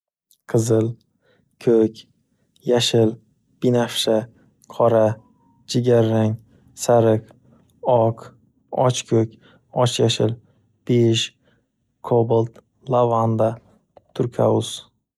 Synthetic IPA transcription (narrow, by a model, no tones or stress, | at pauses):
qʰɨzɪl | kʲʰɵkʲ | jaʃɪl | b̥inafʃa | qʰɒɾa | d͡ʒɪɡʲaɾːaŋ | saɾɪq | ɒq | ɒ̰t͡ʃkʲʰɵkʲ | ɒt͡ʃjaʃɪl | b̥eʃ | kʰobɨlt̪ | lavand̪a | t̪ʰʊɾkʲʰa̰ʊz